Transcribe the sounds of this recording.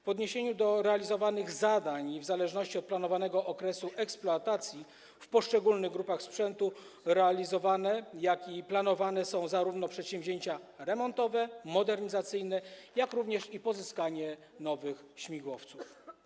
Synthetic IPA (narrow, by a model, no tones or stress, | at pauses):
vɔd̪ɲeɕeɲud̪ɔɾɛalʲizɔvanɘɣzad̪aɲivzalɛʐnɔɕt͡ɕiɔt̪̚planɔvanɛɡɔʔɔkɾɛsuʔɛksplɔat̪at̪sʲji | fpɔʂt͡ʂɛɡulnɘɣɡɾupaxspʂɛnt̪u | ɾɛalʲizɔvanɛjakiplanɔvanɛsɔ̃w̃zaɾuvnɔpʂɛt̪ɕɛ̃vʲʑeɲt͡ɕa | ɾɛmɔnt̪ɔvɛmɔd̪ɛɾɲizat̪sɘjnɛjakɾuvɲɛʂipɔzɘskaɲɛ | nɔvɘxɕmʲiɡwɔft̪suf